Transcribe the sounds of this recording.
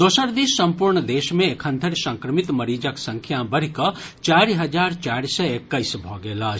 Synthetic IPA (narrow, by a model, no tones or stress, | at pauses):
d̪osəɾd̪isːəmpuɾɳəd̪esmẽekʰənd̪ʱəɾsə̃ŋkɾəmit̪məɾid͡ʒəksə̃ŋkʰjãbəɽ̤ikə | t͡ʃaɾiɦəd͡ʒaɾt͡ʃaɾisəekːəɪsbʱɔɡela